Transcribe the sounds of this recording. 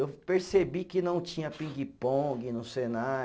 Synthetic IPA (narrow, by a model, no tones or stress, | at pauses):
ewpeɾsebikɪnɐ̃w̃t͡ʃĩɲɐpĩŋɡipõɡɪnʊsena